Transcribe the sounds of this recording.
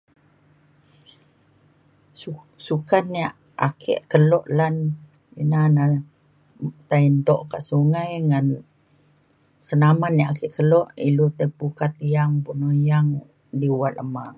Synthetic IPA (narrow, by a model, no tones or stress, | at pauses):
sukanːiaʔ | a̰kʰḛʔkəlɔʔlan | ḭnana | t̪aint̪ɔʔkaʔsuŋajŋan | sənamanːiaʔakɛʔkəlɔʔilut̪əpukat̪ijaŋpunojaŋ | diwaʔ̪ləma